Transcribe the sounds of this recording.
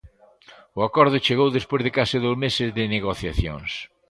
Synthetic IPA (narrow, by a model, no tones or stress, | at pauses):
ʊakɔɾðʊt͡ʃeɣowðespojzðɪkasɪðowzmesɪzðɪneɣoθjaθjõ̰ŋs